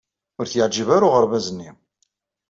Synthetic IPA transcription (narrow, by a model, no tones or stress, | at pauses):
ʊɾθjəʕd͡ʒəvæɾʊʁəɾvæzənːi